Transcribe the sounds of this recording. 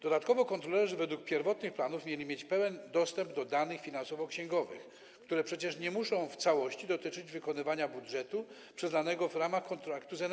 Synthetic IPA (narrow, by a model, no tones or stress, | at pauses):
d̪̥ɔd̪at̪kɔvɔkɔnt̪ɾɔlɛʐɘvɛd̪wuk̚pʲjɛɾvɔt̪nɘxplanufmʲjelʲimʲjet͡ɕpɛwɛnd̪ɔst̪ɛmbd̪ɔd̪anɘxfʲinansɔvɔkɕɛ̃ŋɡɔvɘ̰x | kt̪uɾɛpʂɛt͡ɕɛʂɲɛmuʂɔ̃w̃ft̪sawɔɕt͡ɕid̪ɔt̪ɘt͡ʂɘd͡ʑvɘkɔnɘvaɲabudʐɛt̪u | pʂɛzd̪anɛɡɔvɾamaxkɔnt̪ɾakt̪uzɛn